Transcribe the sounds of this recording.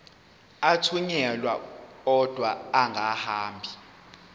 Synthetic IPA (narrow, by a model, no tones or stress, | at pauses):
atʰuɲɛlwa̰ɔd̥ʱwaːŋɡʱahaːmbʱi